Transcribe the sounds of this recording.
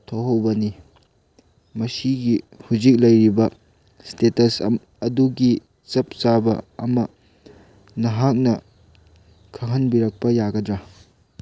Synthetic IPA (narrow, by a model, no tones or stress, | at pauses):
tʰowɦɐwbɐni | mɐsiɡihuzik̚lɐjɾibɐ | stetɐs | ɐduɡi | t͡ʃɐp̚t͡ʃabɐ̰ɐ̰mɐ | nɐɦak̚nɐ | kʰɐŋɦɐnbiɾɐk̚pɐjaɡɐdɾa